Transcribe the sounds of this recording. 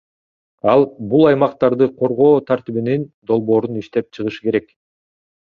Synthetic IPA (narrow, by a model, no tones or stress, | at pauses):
ɑlˠbulˠɑjmɑqt̪ɑɾd̪ɯqʰo̞ɾʁo̞ːt̪ʰaɾt̪iβinind̪o̞lˠβo̞ːɾuniʃt̪e̞p̚t͡ʃʰɯʁɯʃɯ̥ke̞ɾe̞k